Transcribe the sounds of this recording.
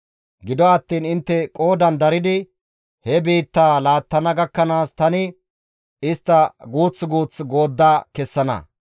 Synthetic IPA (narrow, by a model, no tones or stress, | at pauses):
ɡɪd̪ɔɐt̪ːiːnɪnt̪ːɛkʼo̞ːd̪ɐnd̪ɐɾɪd̪ɪ | hɛbiːt̪ːaːlaːt̪ːɐnɐɡɐkːɐnaːst̪ɐnɪ | ɪst̪ːɐɡuːt͡sːɡuːt͡sɡo̞ːd̪ːaːkɛsːɐnɐ̰